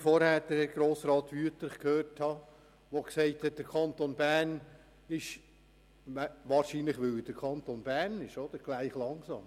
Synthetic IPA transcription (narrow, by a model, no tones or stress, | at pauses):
fɔɾhæːdɛɡ̥ɾoːsɾɑːt̪ʋyətlɪχkʰhøːɾthɑ | ʋoksɛɪthɛt̚d̥əɾkʰɑnt̪onbæːn | ɪʃ | ʋæʋɑːɾʃiːnləχʋʏld̥əɾkʰɑnt̪onbæːnɪʃod̪̥əɾɡ̥læɪχlɑŋsɑ̰ːm